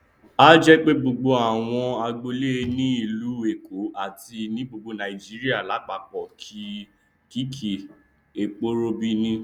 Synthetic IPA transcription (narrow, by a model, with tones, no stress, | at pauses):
a˦d͡ʒɛ˦k͡pe˦bo˧ɡ͡bo˧a˨w̃ɔ̃˧a˧ɡ͡bo˧le˦˧nĩ˦i˦˨lu˨˦e˦˨ko˨˦a˦˨ti˧nĩ˦bo˧ɡ͡bo˧nã˨i˨d͡ʒi˦ɾi˦a˦˨la˨˦ɡ͡ba˨k͡pɔ˨kʰi˦ | ki˦kʰi˨ | e˨k͡po˦ɾo˧bi˦nĩ˧